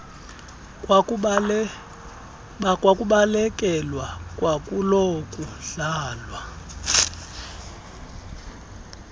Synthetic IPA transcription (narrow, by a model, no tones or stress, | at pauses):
kʼwakʼuɓalɛkʼɛlwakʼwakʼulokʼuɮaːlwa